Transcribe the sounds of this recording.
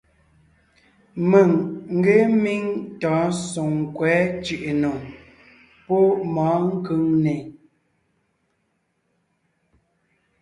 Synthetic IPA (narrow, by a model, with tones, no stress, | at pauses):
mə˨ŋŋ̩˦ɡe˦mi˦ŋtɔ̃˨˦so˨ŋ˨kwɛ˨˦t͡ʃʉ˨ʔe˨no˨ | pɔ˦mɔ˨˦ŋ̩˦kɯ˦ŋne˨